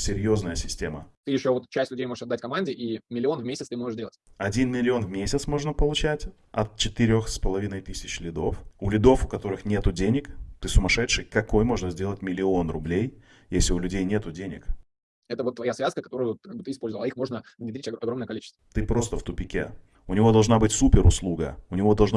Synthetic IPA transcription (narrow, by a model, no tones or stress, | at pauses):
sʲɪɾʲjo̞znəjəsʲɪsʲtʲe̞mət̪ɨjɪɕːovot̪t͡ɕæsʲtʲlʲʉdʲejmoʐəʂɐd̪ːatʲkɐmanʲdʲɪʔimʲɪlʲɪo̞nvmʲesʲɪt̪t̪ɨmo̞ʐɨʂdʲelˠətʲɐdʲinmʲɪlʲɪo̞nvmʲesʲɪt̪smo̞ʐnəpəlˠʊt͡ɕætʲ | ɐ̰t̪̚t͡ɕɪt̪ɨɾʲo̞xspəlˠɐvʲinəjt̪ɨsʲɪt͡ɕlʲɪd̪o̞fʊlʲɪd̪o̞fʊkɐt̪o̞ɾɨxnʲet̪ʊdʲenʲɪkt̪ɨsʊmɐʂɛt̪ʂɨjkɐko̞jmo̞ʐnəzʲdʲelˠətʲmʲɪlʲɪo̞nrʊblʲej | jesʲlʲɪʊlʲʉdʲejnʲe̞t̪ʊdʲenʲɪ̰k | ɛt̪əvot̪ːvɐjasvʲaskəkɐt̪o̞ɾʊjʊvt̪kaɡbɨt̪ɨɪspo̞lʲzəvəlˠɐixmo̞ʐnəvnʲɪd̪ʲɾʲit͡ɕʲɐɐɡɾo̞mnəjəkɐlit͡ɕɪst̪vt̪ɨpɾo̞st̪əft̪ʊpʲɪkʲḛ | ʊnʲɪvo̞d̪ɐlˠʐnabɨtʲsupʲɪɾʊslˠuɡə̰ʊnʲɪvo̞d̪ɐlˠʐna